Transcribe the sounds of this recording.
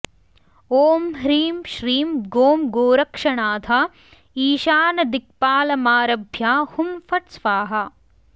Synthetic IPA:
oːmɦɾiːmʃɾiːmɡoːmɡoːɾɐkʂɐɳaːt̪ʰaː | iːʃaːnɐd̪ik̚paːlɐmaːɾɐbʱjaːhumfɐʈsʋaːɦɐ

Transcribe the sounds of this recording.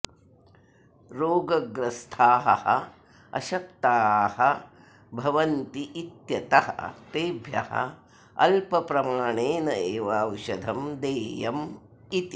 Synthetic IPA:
ɾoːɡɐɡɾɐst̪ʰaːɦɐ̰hɐ̰ | ɐ̰ʃɐk̚t̪aːhɐ | bʱɐʋɐnt̪iʔit̪jɐt̪ɐɦɐ̰t̪eːbʱjɐ̰hɐ̰ | ɐ̰lpɐpɾɐmaːɳeːnɐeːʋaːwʃɐd̪ʱɐmd̪eːjɐm | it̪i

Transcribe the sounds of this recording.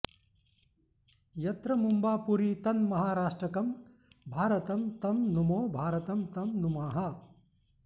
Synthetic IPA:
jɐt̪ɾɐmumbaːpuɾit̪ɐnmɐɦaːɾaːʂʈɾɐkɐm | bʱaːɾɐt̪ɐmt̪ɐmnumoːbʱaːɾɐt̪ɐmt̪ɐmnumaːɦɐ

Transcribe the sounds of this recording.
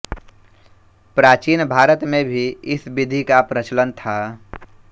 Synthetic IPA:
pɾaːt͡ʃiːnbʱaːɾət̪mẽbʱiɪsbɪd̪ʱikapɾət͡ʃlənt̪ʰa

